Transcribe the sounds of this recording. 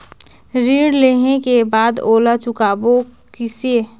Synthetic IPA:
ɾiːɽleːɦekebaːd̪oːlat͡ʃʊkaːbokɪse

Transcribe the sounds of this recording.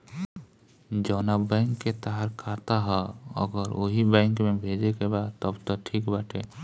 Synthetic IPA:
d͡ʒɔːnabɛ̃ŋkːet̪aɦaɾkʰat̪aɦɛə̰ɡəɾoɦibɛ̃ŋkmẽbʱeːd͡ʒekebad̪t̪ɔbt̪ɔʈʰiːkbaːʈʰe

